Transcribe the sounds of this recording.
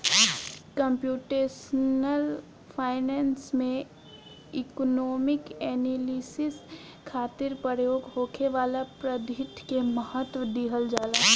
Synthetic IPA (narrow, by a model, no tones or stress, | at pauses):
kə̃mpjuːʈeːʃnəl | pʰaːɪnɛːnsmẽ | ɪknoːmɪkɛːnilisɪs | kʰaːt̪ɪɾpəɾjoːɡɦoːkʰeʋaːlapɾəd̪ʱɪʈ̪ʰkeməɦət̪wʋəd̪iːɦəld͡ʒaːlaː